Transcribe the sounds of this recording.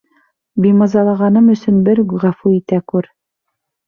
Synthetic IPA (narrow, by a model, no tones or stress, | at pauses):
bimɑzɑlˠɑʁɑnɤmɵ̆sɵ̆nbɘɾɡʁæfuit̪ækʉɾ